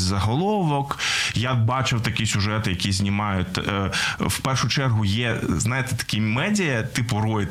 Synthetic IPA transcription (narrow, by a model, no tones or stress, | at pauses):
zɐɦɔlˠɔʋɔkjabɑt͡ʃɪwt̪ɐkʲisʲʊʒɛt̪ɪjɐkʲizʲnʲimɑjʊt̪̚ʲ | wpɛrʃʊt͡ʃɛrɦʊjɛznɑjet̪ɛ̥t̪ɐ̥kʲimɛdʲɪjɐt̪ɪpʊɾɔjɪ